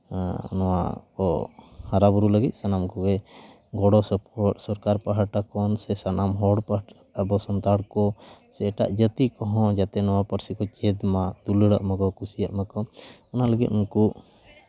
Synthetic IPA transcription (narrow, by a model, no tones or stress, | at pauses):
nɔwa̰kɔhaɾabuɾuləɡit̪̚ˀsanamkɔɡɛ | ɡɔɽɔspʰɔsɔɾkaɾpaɦaʈakɔnsɛsanamɦɔɽpa | əbɔsɔnt̪aɽkɔsɛʈa̰ʔd͡ʒət̪ikɔɦɔ̃d͡ʒat̪ɛnɔwapəɾsikɔt͡ʃɛd̪mad̪uləɽaʔmakɔkusijaʔmakɔɔnaləɡit̪unku